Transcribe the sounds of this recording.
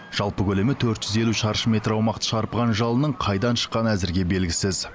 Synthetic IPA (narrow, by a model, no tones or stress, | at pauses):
ʒ̥ɑlˠpəkʲʰɵle̞mɪt̪ʰɵɾt̪ʒ̥ʏze̞luʃɑɾəʃəmʲe̞t̪ɾɑwmɑqt̪ə̥ʃɑɾpəʁɑnʒɑlˠənəɴqʰɑjd̪ɑnʃə̥qːɑnæzɪɾɡʲe̞be̞lɡʲɪsɪz